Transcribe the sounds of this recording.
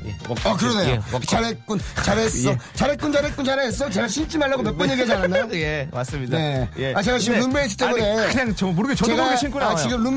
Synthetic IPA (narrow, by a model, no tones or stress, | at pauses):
ak̬ɯɾʌnejot͡ɕaɾek͈unt͡ɕaɾees͈ʌt͡ɕaɾek͈und͡ʑaɾek͈unt͡ɕaɾeɦes͈ʌt͡ɕe̞ɡaɕʰint͡ɕ͈imaɭːaɡomjʌtk̚k͈ʌɲjeɡiet͡ɕanandajoemas͈ɯmɲidae̞at͡ɕe̞ɡat͡ɕiɡɯmnunmeɦes̬͈ʰɯ̥t͈e̞munne̞kɯɲaŋt͡ɕmoɾɯɡet͡ɕt͡ɕeɡaɕʰikuat͡ɕiɡɯmnum